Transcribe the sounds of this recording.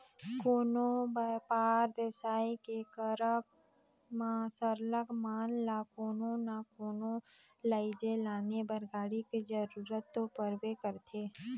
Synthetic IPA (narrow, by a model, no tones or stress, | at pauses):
koːnopaːɾʋjəwsaːikekəɾə | masəɾləkmaːnlakoːnonakoːno | laɪd͡ʒelaːnebəɾɡaːɽiked͡ʒəɾuɾət̪ːopəɾbekəɾt̪ʰeː